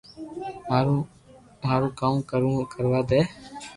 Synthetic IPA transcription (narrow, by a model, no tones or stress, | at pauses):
ɾ | maːɾũːkaːmːkəɾũkəɾʋaːd̪eː